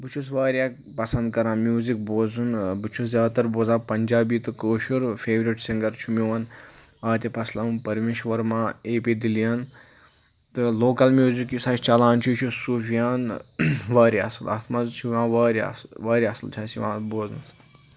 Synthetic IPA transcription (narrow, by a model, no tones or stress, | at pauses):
bɨt͡ʃʰus̬ʋaːɾʲjaːk | pɐsɐnd̪̚kɐɾãːnmjuːzik̚boːzunbɨt͡ʃʰusʲaːt̪ɐɾboːzãːpɐnd͡ʒaːbiːt̪ɨkoːʃuɾfeːʋɾiʈsiŋɡɐɾt͡ʃʰumiʋɐn | aːt̪ʲipɐslɐpɐɾmeːʃʋɐɾmãːeːpid̪ilijaːn | t̪ɨloːkɐlmjuːzikjusaːt͡ʃʰt͡ʃɐlãːnt͡ʃʰut͡ʃʰusuːfijaːnʋaːɾiɐ̰sɨlɐ̰ːt̪ʰmɐzt͡ʃʰuʋãːʋaːɾiɐ̰sʋaːɾiɐsɨlt͡ʃʰaːsiʋã̰ːboːznɐ̰s